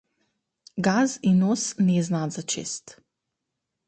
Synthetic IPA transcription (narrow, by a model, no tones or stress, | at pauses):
ɡazinosniznad̪zat͡ʃḛst̪